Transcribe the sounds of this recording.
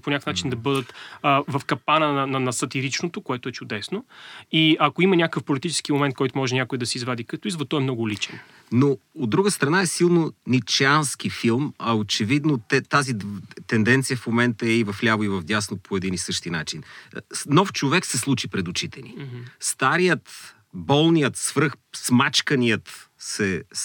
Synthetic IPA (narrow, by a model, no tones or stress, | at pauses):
ponʲakəfnat͡ʃind̪ɐbɤd̪ət̪ːvɐfkɐpanənɐnɐnɐsɐt̪iɾit͡ʃnot̪okoɛt̪oɛt͡ʃʊd̪ɛsnoiɐkoimɐnʲakkəfpolit̪it͡ʃɛ̥skimomɛnt̪̚kɔjt̪ʊmɔʒɛnʲakʊjid̪ɐsɛizvad̪ikɐt̪ɔizvɐt̪ːɔɛmnɔɡʊlit͡ʃɛ̰n | nood̪ːɾuɡəst̪ɾɐnaɛsilˠnonʲit͡ʃansk̟ifilˠmɐot͡ʃɛvid̪not̪ɛt̪azit̪ɛnd̪ɛnt̪sijəfmomɛnt̪əɛivɐflʲavoivɐvd̪ʲjasnopʰoɛd̪inisɤʃt̪inat͡ʃinnɔft͡ʃovɛksɛslˠut͡ʃipɾɛd̪ʊt͡ʃit̪ɛnḭst̪aɾijət̪ | bɔlˠnijət̪svɾɤxsmat͡ʃkɐnijət̪sɛ